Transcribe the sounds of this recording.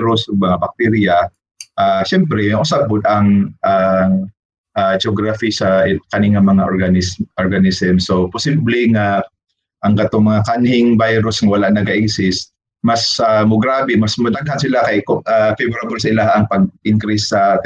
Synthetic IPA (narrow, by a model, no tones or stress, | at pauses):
ɾʊsʊɡ̚mɐŋabɐk̚t̪ɛɾja | ʔaʃɛmpɾɛmʔʊsab̚pʊd̪ɐŋʔaŋ | ʔad͡ʒoɡɾafisɐkɐniŋamɐŋaʔoɾɡanɪsʔoɾɡanɪsɛmsopʊsiblɛŋa | ʔɐŋkɐt̪oŋmɐŋakanhɪŋbajɾʊsŋɐwɐlaʔnɐɡaʔɪɡsɪst̪̚ | mɐsʔamʊɡɾaːbɛmɐsmɐt̪aɡɦansɪlakajkoʔafɛbɾabʊlsɐɪlahaʔɐŋpɐɡ̚ʔɪŋkɾɪsːɐt̪